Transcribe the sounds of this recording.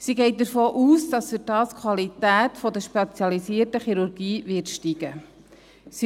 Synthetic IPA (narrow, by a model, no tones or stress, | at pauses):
siɡɛɪt̚d̪əɾfoːʔuːsd̥ɑsfyɾdɑːskʰwɑlitæːtfɔd̪əʃpet͡sjɑlisiətəχiɾuɾɡ̥iːʋɪɾtʃtiɡ̥ə | si